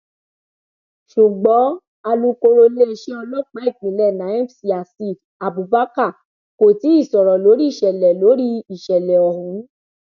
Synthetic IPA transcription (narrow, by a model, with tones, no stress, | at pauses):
ʃu˨ɡ͡bɔ̃˨˦ | a˧lu˦ko˧ɾo˧le˦˨ʃe˦ɔ˧lɔ˦˨k͡pɛ˨˦ɛ˦˨ɡ͡bĩ˨˦lɛ˦˨nã˨˦ĩ˦˨bsi˧a˨si˦˨d | a˨bu˨ba˨˦ka˦˨ | ko˨ti˨˦i˦˨sɔ˨ɾɔ˨lo˨˦ɾi˦˨ʃɛ˨lɛ˨lo˨˦ɾi˦i˨ʃɛ˨lɛ˨ɔ˨hũ˨˦